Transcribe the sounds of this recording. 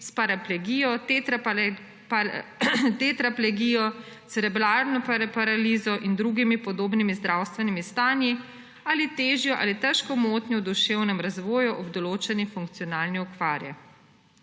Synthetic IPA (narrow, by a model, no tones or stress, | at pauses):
spaɾaplɛɡiːjɔt̪t̪ | t̪et̪ɾaplɛɡiːjɔsɛɾɛblaɾnɔpapaɾaliːzɔʔind̪ɾuɡimipɔd̪oːbnimizd̪ɾawst̪ʋɛnimist̪aːnji | aːlit̪eːʒjɔʔa̰ːlit̪ɛʃkɔmoːt̪nʲjɔd̪uʃewnɛmɾazʋɔːjuʔɔbd̪ɔloːt͡ʃɛnifuŋkt̪sijɔnaːlniɔkʋaːɾjɛ̰